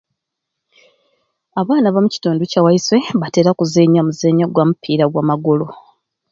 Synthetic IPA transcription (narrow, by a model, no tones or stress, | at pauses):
aβaːnaβamuci̥toːnducawaiswe̞βateɾakuzeːɲamuzeːɲaɡwamupʰiːɾaɡwaːmaɡolo̞